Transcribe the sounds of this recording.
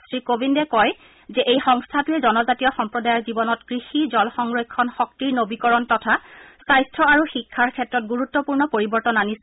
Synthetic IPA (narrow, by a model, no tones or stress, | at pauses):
sɹikobindɛkɔj | zɛʔejxɔŋstʰatuɛzɔnɔzatijɔxɔmpɹɔdajɔɹzibɔnɔtɡ̥ɹixizɔlxɔŋɹojkʰːɔnxɔk̚tiɹnobikɔɹɔntɔtʰasajstʰɹɔaɹuxikʰːaɹkʰɛtɹɔt̚ɡuɹutːɔpuɹnɔpoɹibɔɹtɔnanis